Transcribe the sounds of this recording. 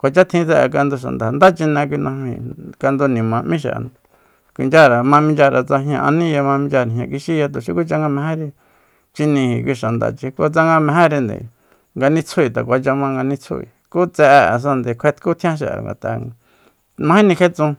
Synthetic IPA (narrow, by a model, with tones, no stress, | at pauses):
kʷa˨t͡ʃa˦t̪ʰĩ˧t͡se˦˧ʔk̬a˧nd̪u˧ʃ̬a̰˨nd̪a˨nd̪a˦t͡ʃi˧nẽ˧kʷi˧nã˧mḭ̃˧˨ka˧nd̪u˧nĩ˨mã˨mĩ˦ʃa̰˨ʔn˧ | kʷi˨nd͡ʒa˦ɾa˨mã˧mĩ˧nd͡ʒa˧ɾa˨t͡sa˧ɦjɲã˧ʔa˧nĩ˦ja˧mã˧mĩ˧d͡ʒa˧ɾĩ˨ɲã˧ki˧ʃi˦ja˧t̪u˨ʃi˦ku˦t͡ʃa˧ŋɡa˧mẽ˧ɦẽ˦ɾi˧ | t͡ʃi˧nĩ˧hi˨kʷi˧ʃa˨nd̪a̰˨t͡ʃi˧ko˧t͡sa˦ŋɡa˧mẽ˧ɦẽ˦ɾi˧nd̪ḛ˨ | ŋɡa˧nĩ˦t͡sʰu˦i˨t̪a˨kʷa˧t͡ʃa˧mã˧ŋɡa˧nĩ˧t͡sʰṵ˦ḭ˨ku˦t͡sɛ˧ʔe˧a̰˨s̬ã˧nd̪e˨kʷʰe˧t̪ku˦t̪ʰĩ˦ã˦ʃ̬a̰˨ʔŋɡa̰˨t̪a̰˧˨ | mã˧˦ĩ˦nĩ˧ke˦t͡sũ˧